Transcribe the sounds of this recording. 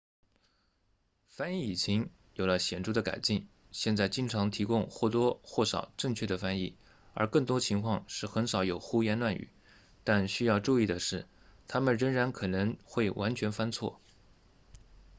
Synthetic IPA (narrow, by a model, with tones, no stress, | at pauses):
fa˥ni˥˩i˨˩t͡ɕʰi˧˥ŋ | jo˨˩ʊlə˦ɕjɛ˨˩nʈ͡ʂu˥˩d̪ə˨ka̰˨˩ɪt͡ɕi˥˩ŋ | ɕjɛ˥˧nt͡sa˥˩ɪt͡ɕi˥ŋʈ͡ʂʰɑ˧˥ŋt̪ʰi˧˥kʊ˥ŋxwɔ˥˩t̪wɔ˥xwɔ˥˩ʂɑ̰˨˩ʊʈ͡ʂɤ˥˧ŋt͡ɕʰɥɛ˥˩d̪ə˩fa˥ni˥˩ | ə̰˞˧˥kɤ˥˩ŋt̪wɔ˥t͡ɕʰi˧˥ŋkʰwɑ˥˧ŋʂɻ̩˥˩xə˧˥nʂɑ˨˧˥ʊjo˨˩ʊxu˥jɛ˧˥nlwa˥˩ny̰˨˩˦ | t̪a˥˧nɕy˥jɑ˥˧ʊʈ͡ʂu˥˧i˥˩d̪ə˩ʂɻ̩˥˩ | t̪ʰa˥mə˨nɻə˧˥ŋɻa˧˥nkʰɤ˨˩nɤ˧˥ŋxwe˥˩ɪwʔa˧˥nt͡ɕʰɥɛ˧˥nfa˥nt͡sʰwɔ̰˥˩